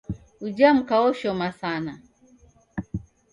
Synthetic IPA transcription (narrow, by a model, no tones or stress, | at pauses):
ud͡ʒam̩kawɔʃɔmasana